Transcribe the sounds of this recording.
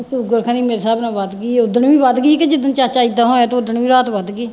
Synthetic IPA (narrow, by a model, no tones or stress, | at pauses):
sʊɾɡəɾkʰãːniːmeːɾesaːbnãːʋaːt̪ɡiːʊd̪əɳʋiːʋad̪ɡiːked͡ʒɪd̪ənt͡ʃaːt͡ʃaːid̪aːɦoːɛ̃ːt̪oʊd̪əɳʋiːɾaːt̪ʋad̪ɡiː